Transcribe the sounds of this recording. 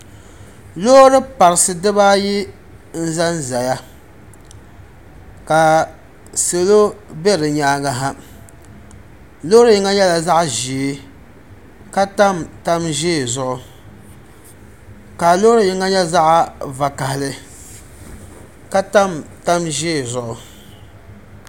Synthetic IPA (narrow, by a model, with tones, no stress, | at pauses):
lo˦ɾɨ˦pa˨ɾɨ˨sɨ˦dɨ˦ba˦ji˦ | n̩˦za˦nza˨ja˦ | ka˨ | se˨lo˦bɛ˦ɾɨ˨ɲaː˦ɡa˦ɦa˦ | lo˦ɾɨ˦jɪ˦ŋa˦ɲɛ˦la˨za˦ʔʒi˨˦ | ka˦ta˦mta˦mʒeː˦˨zʊ˦ʔʊ˦ | ka˨lo˦ɾo˨jɪ˨˦ŋa˦ɲɛ˦za˦ʔa˦va˨ka˨hɪ˨lɨ˦ | ka˦ta˦mta˦mʒeː˦˨zʊ˨ʔʊ˦